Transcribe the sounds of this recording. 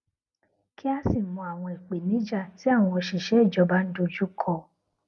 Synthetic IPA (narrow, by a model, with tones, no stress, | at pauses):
ki˦a˦si˦˨mɔ̃˧a˨w̃ɔ̃˧i˨k͡pe˨nĩ˦d͡ʒa˦˨ti˨˦a˦˨w̃ɔ̃˧ɔ˧ʃi˨ʃɛ˦i˦˨d͡ʒɔ˧˦ba˦n̩˦do˧d͡ʒu˦kʰɔ˧